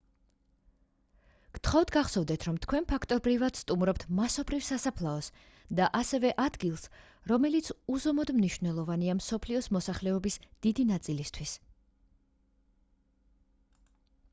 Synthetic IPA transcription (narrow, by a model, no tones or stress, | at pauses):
kt̪ʰχɔvd̪ɡaχsɔvd̪ɛt̪ʰɾɔmt̪ʰkʰwɛnpʰakʰt̪ʼɔbɾivad̪̥st̪ʼumɾɔpt̪ʰmasɔbɾivsasapʰlˠaɔs | d̪aʔasɛvɛʔad̪ɡilˠs | ɾɔmɛlit̪sʰuzɔmɔd̪mniʃv̥wnɛlˠɔvaniamsɔpʰliɔsmɔsaχlɛɔbisd̪̥id̪inat̪sʼilist̪ʰwis